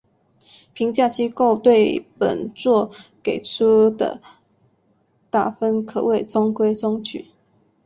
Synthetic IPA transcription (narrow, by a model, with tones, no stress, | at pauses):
pʰi˧˥ŋt͡ɕja˥˧t͡ɕi˥ko˥˧ʊt̪we˥˨ɪpə̰˨˩nt͡swɔ˥˨ke˨˩ɪt͡sʰu˥d̪ə̰˨ | t̪a˥˩fə˦˥nkʰɤ˨˩we˥˨˩ɪt͡sɔ˥ŋkwe˥ɪt͡sɔ˥ŋt͡ɕʰy̰˨˩˦